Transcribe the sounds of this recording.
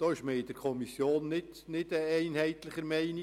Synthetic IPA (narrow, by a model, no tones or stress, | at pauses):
d̥ɑːɪʃmeɪd̥̪əɾkʰɔmisːjoːnːɪt | nɪdəɛɪnhɛɪt̪lɪχəɾmɛɪnɪ